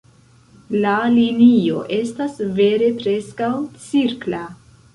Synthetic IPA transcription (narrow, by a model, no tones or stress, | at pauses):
lalinio̞̰ʔe̞stasve̞ɾe̞pɾe̞skawt͡siɾkla